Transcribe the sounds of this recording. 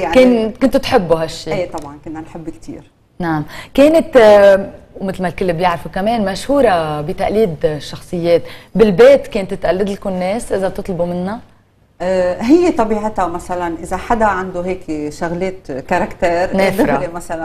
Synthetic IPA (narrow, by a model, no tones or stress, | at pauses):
jaʕkeːnkʊnt̪t̪ħɪbːuɦaʃːiːeːt̪ˤɑbʕɑnkʊnːanħɪbːkt̪ʰḭːɾ | naʕamkeːnɪt̪ | wmɪt̪lmalkɪlːɪbjaʕɾfukameːnmaʃhuːɾabit̪aʔliːd̪ʃːɑxsˤɨjːeːt̪bɪlbeːt̪keːnt̪ːt̪ʔalːɪd̪lkʊnːeːsʔɪzat̪ɨt̪ˤlbumɪnːa | ɦɪjːet̪ˤɑbiːʕɪt̪amasalanʔɪzaħad̪aʕand̪uɦeːkʃʊɣleːt̪kaɾˤɑkt̪eːɾneːfd̪ɾaemasala